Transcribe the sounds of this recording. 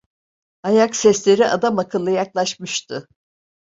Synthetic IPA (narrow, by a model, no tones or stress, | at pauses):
ajaksɛslʲe̞ɾiʔa̰d̪amakʰɯlˠːɯjaklˠaʃmɯʃt̪ʰʊ